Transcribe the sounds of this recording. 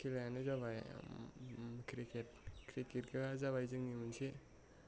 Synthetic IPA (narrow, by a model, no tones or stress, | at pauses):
kʰilajanɯzabaj | kʰɾiket̚kʰɾiketkʰɯazaβajzɯŋnimɯnse